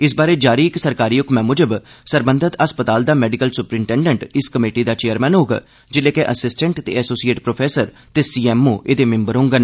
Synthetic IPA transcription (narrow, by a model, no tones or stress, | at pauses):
ɪs̬baːɾeːd͡ʒaːɾiːɪksəɾkaːɾiːʊkmɛ̃ːmʊd͡ʒəbsəɾbənd̪ʱət̪əspət̪aːld̪aːmɛːɖɪkəlsʊpɾɪɳʈɛ̃ːɳɖəɳʈɪskəmeːʈid̪aːt͡ʃeːəɾmɛːnɦoːɡa̰ː | d͡ʒɪleːkeʔəsɪsʈə̃ɳʈt̪ḛːəsoːsieːʈpɾoːpʰɛːsəɾ | t̪eːsiːɛːmoːʔeːd̪eːmɪ̃mbəɾɦõŋɡən